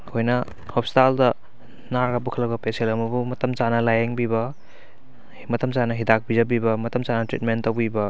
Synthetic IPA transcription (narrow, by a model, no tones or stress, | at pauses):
kʰojnɐ | hɔp̚staldɐ | naɾɡabukʰɐlɐbɐpeselɐmɐbumɐtɐmt͡ʃanɐlajeŋbibɐ | mɐtɐmsanɐɦidak̚bizɐbibɐmɐtɐmt͡ʃanɐtɾit̚mentːɐwbibɐ